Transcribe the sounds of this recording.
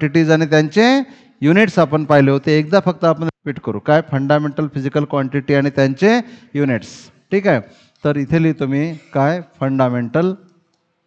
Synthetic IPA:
ʈiʈiːd͡zaɽ̃it̪̬jaɲt͡ɕe | juniʈsapəɳpajleɦot̪eːk̚d̪afək̚t̪əapəɳɾipiːʈkəɾṵːkajfəɳɖameɳʈəlfid͡ʑikəlkʋaɳʈiʈiːaɽ̃it̪jaɲt͡ɕejuniʈs | ʈʰiːkae | t̪əɾit̪ʰeliːt̪um̤iːkajfəɳɖameɳʈəl

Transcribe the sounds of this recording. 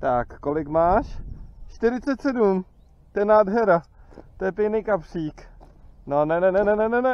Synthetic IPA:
t̪akːo̞lɪkmaːʃt͡ʃt̪ɪɾɪt͡sɛt̪sɛdum | t̪ojɛnaːdɦɛɾat̪ojɛpɪnijkapr̝̥iːknonɛnɛnɛnɛnɛnɛnɛ

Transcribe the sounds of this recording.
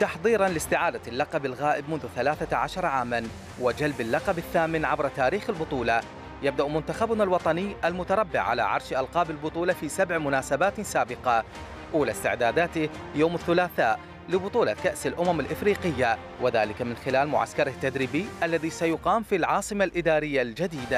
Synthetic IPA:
t̪ɑħðˤiːɾˤɑnlɪst̪ɪʕaːd̪alːɑqɑbɪlɣaːʔɪbmʊnðʊθalaːθaʕaʃɑɾˤʕaːman | wɪd͡ʒalbalːɑqɑbaθːaːmɪnʕabɾˤt̪aːɾiːxɪlbʊt̪ˤuːlɑ | jab̚d̪aʔmʊnt̪axabʊnalwɑt̪ˤɑnɪːʔalmʊt̪ɑɾˤɑbːɪʕa̰la̰ʕɑ̰ɾˤʃʔɑlqɑːbɪlbʊt̪ˤuːlɑfiːsabʕmʊnaːsabaːt̪saːbɪqɑ | ʔuːlast̪ɪʕd̪aːd̪aːt̪ɪ | joːmɪθːʊlaːθaːʔ | lɪbʊt̪ˤuːlɑkaʔsɪlʔʊmamɪlʔɪfɾiːqɪjːa | wɪðaːlɪkamɪnxɪlaːlmʊʕa̰skɑɾˤht̪ːad̪ɾɪbiʔalːaðisajʊqɑːmfilʕɑːsˤɨmalʔɪd̪aːɾɪjːald͡ʒad̪iːd̪a

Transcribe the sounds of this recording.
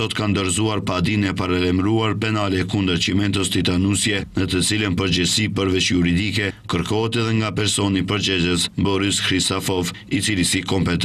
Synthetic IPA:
ɔt̪kand̪ɔɾzuaɾpad̪inɛpaɾalɛmɾuaɾpɛnalɛkund̪əɾt͡ʃimɛnt̪əst̪it̪anusjɛnət̪ət͡silənpəɾd͡ʒəsipəɾvɛʃjuɾid̪ikɛkəɾkɔɦɛt̪ɛðɛŋɡapɛɾsɔnipəɾd͡ʒɛzəsbɔɾiskɾist̪afɔvit͡silisikɔmpɛt̪

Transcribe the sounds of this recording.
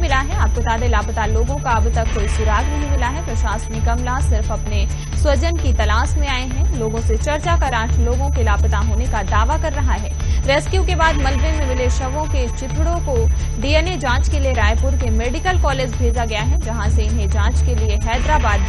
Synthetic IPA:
mɪlaɦɛaːp̚kot̪aːd̪elaːpət̪aloːɡõkaɐbt̪ɐkːoːisʊɾaːɡnɐɦĩmɪlaɦɛpɾɐʃaːsnɪkɐmlasɪɾfɐpne | swɐd͡ʒənkit̪ɐlaːsmẽaːeɦɛ̃loːɡõset͡ʃɐɾt͡ʃakɐɾãːʈʰloːɡõkelaːpət̪aɦoːnekad̪aːʋakɐɾːɐɦaɦɛːɾɛːskjukebaːd̪mɐlbemẽmɪleʃɐʋõket͡ʃɪt̪ʰɽõko | ɖiːɛːned͡ʒãːt͡ʃkelieɾaːjpʊɾkemeːɖɪkəlkɔːleːd͡ʒbʱeːd͡ʒaɡɐjaɦɛ̃d͡ʒɐɦãseɪɦẽd͡ʒãːt͡ʃkelieɦɛːd̪ɾaːbaːd̪

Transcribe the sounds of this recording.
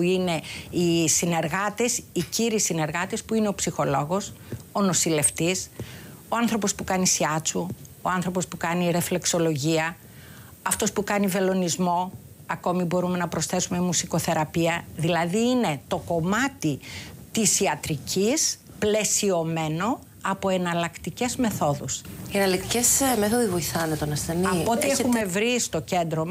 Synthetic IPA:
uine̞isine̞ɾɣɐt̪esiciɾisine̞ɾɣɐt̪espuine̞opsixo̞lo̞ɣo̞so̞no̞sile̞ft̪isoɐnθɾo̞po̞spukɐnisiɐt͡suoɐnθɾo̞po̞spukɐniɾe̞fle̞kso̞lo̞ʝiɐ | ɐft̪o̞spukɐnive̞lo̞nizmo̞ | ɐko̞mibo̞ɾume̞nɐpɾo̞sθe̞sumemusiko̞θe̞ɾɐpiɐðilɐðiːne̞t̪o̞ko̞mɐt̪it̪isiɐt̪ɾicis | ple̞sio̞me̞no̞ | ɐpo̞e̞nɐlɐkt̪ice̞zme̞θo̞ðusienɐlɐk̚t̪icesmeθoðivo̞jθɐnet̪onɐsθeniɐpot̪iexumme̞vɾist̪o̞ce̞nd̪ɾo̞m

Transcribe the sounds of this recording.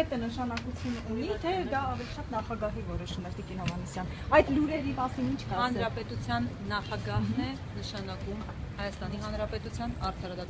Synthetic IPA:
ɛt̪ənəʃɑnɑkut͡sʰjununit̪ʰɛd̪ɑːvɛliʃɑt̪nɑχɑɡɑɦivɔɾɔʃuməɾt̪ikinhɔvɑnisjɑn | ɑjd̪luɾɛɾimɑsinint͡ʃʰkhɑnɾɑpɛt̪ut͡sʰjɑnːɑχɑɡɑhnɛ | nəʃɑnɑkum | hɑjɑst̪ɑniɦɑnɾɑpɛt̪ut͡sʰjɑnɑɾt̪ʰɑɾɑd̪ɑt̪

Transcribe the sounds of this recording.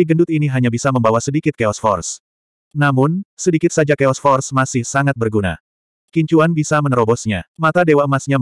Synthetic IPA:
diɡəndʊt̪iniɦaɲabisaməmbawasədikɪt̪̚keɔsfɔ̰rs | namʊnsədikɪt̪̚sad͡ʒakeɔsfɔrsmasɪhsaŋat̪̚bərɡuna̰ | kiɲt͡ʃuanbisamənɾɔbɔsɲa̰mat̪adewaəmasɲa

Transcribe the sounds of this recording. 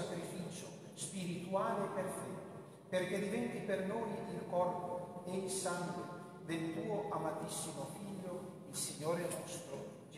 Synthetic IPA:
akɾifiːt͡ʃo | spiɾit̪uaːleperfɛt̪ːo | perked̪ivɛnt̪ipernojilkɔrpoesaŋɡwe | d̪elt̪uːoʔamat̪isːimofiʎːo | ilsiɲːoːɾenɔst̪ɾo | d͡ʒ

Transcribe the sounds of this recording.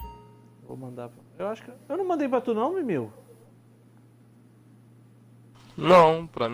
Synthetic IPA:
o̰wmɐ̃nd̪apɐewaʃu̥kewnɐw̃mɐ̃nd̪ejp̬ɾɐt̪enõw̃mɛmew | nɐ̃w̃pɾɐm

